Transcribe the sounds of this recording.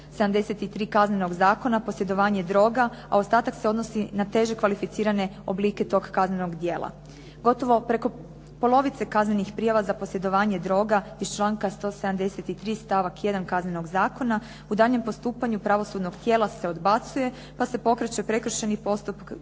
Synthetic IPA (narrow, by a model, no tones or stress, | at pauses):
seamd̪e̞se̞t̪it̪ɾiːkazne̞no̞ɡzaːko̞napo̞sje̞d̪o̞ʋaːɲe̞d̪ɾo̞ɡaa̰o̞st̪aːt̪akse̞o̞d̪no̞sinat̪e̞ʒekʋalifit̪siːɾane̞ | obliːke̞t̪o̞ɡkazneno̞ɡd̪je̞ːlˠʔa̰ | ɡo̞t̪o̞ʋo̞pɾe̞ko̞ | po̞lo̞ʋit̪se̞kazne̞nixpɾijaʋazapo̞sje̞d̪o̞ʋaːɲe̞d̪ɾo̞ɡaist͡ʃlˠaːŋkast̪o̞seamd̪e̞set̪it̪ɾiːst̪aʋakje̞d̪ankazne̞no̞ɡzaːko̞na | ud̪aːʎɲempo̞st̪uːpaɲupɾaʋo̞sud̪noɡt̪je̞ːlˠase̞o̞d̪bat̪suje̞ | pase̞po̞kɾet͡ɕe̞pɾe̞kɾ̩ʃenipo̞st̪upk